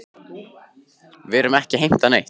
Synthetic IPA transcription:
vɪɾʏmɛhcɪɦejm̥t̪anejht̪

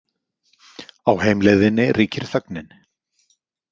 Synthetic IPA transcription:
awheːjmlɛðɪnːɪrʔiːcʰɪɾ̥θœknɪn

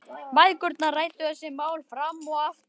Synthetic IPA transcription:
vajkʏɾt̪naraːjt̪ʏθɛsːɪmaːwlfɾamːɔaft̪

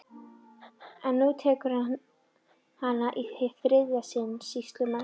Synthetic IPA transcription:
ɛnːut̪ʰɛːkʏɾ | hanːaʔiθɪfɾɪðasɪnsist̪lʏman

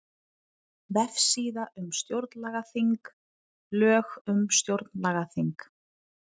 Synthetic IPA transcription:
vɛfsiːðaʔʏmst̪jowɾt̪nlaːɣaθiŋk | lœːɣʏmst̪jowɾt̪nlaːɣaθiŋk

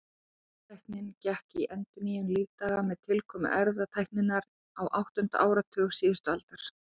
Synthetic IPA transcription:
t̪ʰajhknɪncɛhkiʔɛnt̪ʏnijʏnliːvt̪aːɣamɛðt̪ʰɪlkʰɔːmʏ̰ʔɛɾvðat̪ʰajhknɪnːaɾ | awʔawht̪ʏn̥t̪a̰ʔaːwɾat̪ʰʏːɣ̥siːðɪst̪ʏalt̪aɾ̥

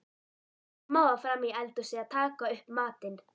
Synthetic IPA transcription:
moːafɾamːiɛlt̪usɛat̪ʰaːkaʏhpmaːt̪ɪn

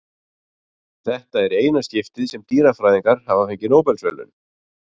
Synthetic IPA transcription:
θɛht̪aɛɾeːjnasc̪ɪft̪ɪðsɛmt̪iːɾafɾaːjðiŋkaɾ̥havafeɲcɪnowpɛlsvœ̰ːlʏ̰n

